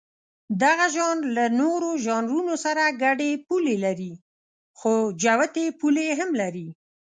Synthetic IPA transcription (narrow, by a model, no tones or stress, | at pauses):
d̪aɣaʒɑnlanoɾoʒɑnɾunosaɾaɡaɖepulelaɾi | xod͡ʒawat̪epuleɦamlaɾi